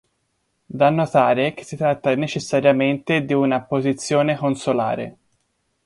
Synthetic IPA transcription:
d̪anːot̪aːɾek̟e̥sːit̪ɾat̪ːanet͡ʃesːaɾjament̪ed̪iunapozit̪sːjoːnekonsola̰ːɾḛ

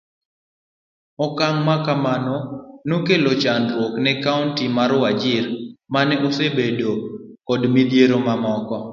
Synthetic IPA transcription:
ɔkaŋmakamanɔnokelot͡ʃanɾwoknɛkaʊntimaɾwad͡ʒɪɾmanɛʔosebedo | kɔdmid̪jeɾomamɔkɔ

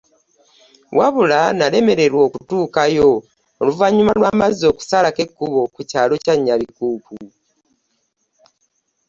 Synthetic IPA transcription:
waβulanale̞me̞ɾe̞ɾwo̞ːkutuːkajo̞ː | luvaɲumalwaːmazio̞ːku̥salake̞kːuβo̞kucaːlo̞caɲːalikuːku

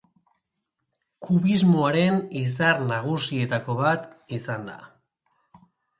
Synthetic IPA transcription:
kuβizmo̞aɾe̞nis̬aɾnaɣ̞usie̞t̪ako̞βat̪isand̪a̰

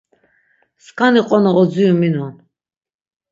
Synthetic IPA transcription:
skʰaniqʼɔnɔʁɔd͡ziuminɔn

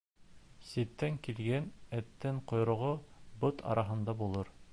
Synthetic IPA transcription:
sit̪ːæŋkilɡænæt̪ːæɴqŏjɾŏʁobot̪ʰɑ̰ɾʔɑɦɤ̆nd̪ɑbulˠɤɾ

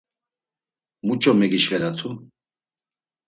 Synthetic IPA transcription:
mut͡ʃʼɔmɛɡiʃvɛɾat̪ʰu

